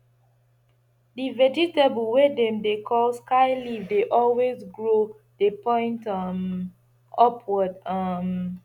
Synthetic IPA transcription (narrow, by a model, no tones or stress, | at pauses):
divɛd͡ʒitabəlwedɛ̃mdekʰɔlskaɪlivdeʔɔlwezɡɹo | depɔ̃ɪ̃ntʌm | ɔpʰwɔdʌm